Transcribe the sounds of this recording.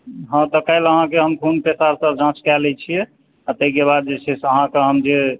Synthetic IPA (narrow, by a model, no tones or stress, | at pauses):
ɦə̃t̪ɔkaɪləɦãkeɦəmkʰunpesaɾsəbd͡ʒãt͡ʃkɛlɛt͡ʃʰijɛ | at̪əikeβad̪̚d͡ʒet͡ʃʰɛsəɦãkeɦəmd͡ʒe